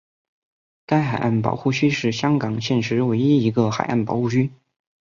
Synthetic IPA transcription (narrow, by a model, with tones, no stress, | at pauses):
ka˥ɪxa˨˩ɪʔa˥˩npɑ̰˨˩ʊxu˥˩t͡ɕʰy˥ʂɻ̩˥˩ɕjɑ˥ŋkɑ˨˩ŋɕjɛ˥˩nʂɻ̩˧˥we˧˥ɪi˥i˧˥ɡə˧xa̰˨˩ɪʔa˥˩npɑ̰˨˩ʊxu˥˩t͡ɕʰy˥